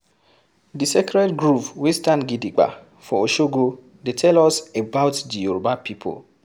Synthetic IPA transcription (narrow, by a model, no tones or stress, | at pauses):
disekɾɛtɡɾupwestanɡidiɡ͡ba̰ | fɔoʃoɡo | detʰɛlɔsebaʊtdiuɾobapipʰo̰l